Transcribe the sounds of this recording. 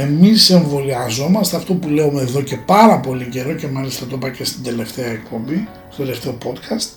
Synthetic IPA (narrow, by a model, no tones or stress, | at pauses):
e̞mise̞ɱvo̞liɐzo̞mɐst̪eɐft̪o̞pule̞umeðo̞ce̞pɐɾɐpo̞lice̞ɾo̞ce̞mɐlist̪ɐt̪o̞pɐcest̪ind̪e̞le̞ft̪eɐekpo̞mbi | ssod̪eleft̪e̞o̞po̞t̪kɐst̪